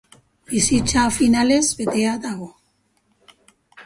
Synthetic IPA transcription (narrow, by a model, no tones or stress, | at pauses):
bisit͡safinale̞zbe̞t̪e̞aðaɣ̞o̞